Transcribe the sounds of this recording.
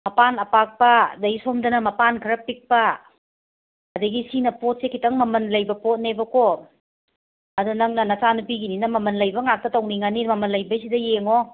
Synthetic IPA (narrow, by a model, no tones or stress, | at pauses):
mɐpanɐpak̚pɐdɐisomdɐnɐmɐpankʰɯɾɐpik̚pɐ | dɐɡisinɐpot̚sekʰitaŋmɐmɐnlɐjbɐpot̚nebɐko | ɐdunaŋnɐnasanup̬iɡininɐmɐmɐnlɐjbɐŋak̚tɐtawniŋanimɐmɐnlɐjbɐs̬idɐjeŋo